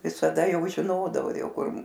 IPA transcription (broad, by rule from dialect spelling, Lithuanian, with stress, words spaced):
ʋʲɪsɐˈdɐ ˈjɛʊ ʒʲɪˈnoːdɐʋoː ˈjɛʊ ˈkʊr